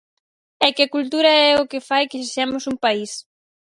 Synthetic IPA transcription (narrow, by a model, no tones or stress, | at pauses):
ɛkɪakult̪uɾaɛʊkɪfajkɪʃiʃɛmʊsumpais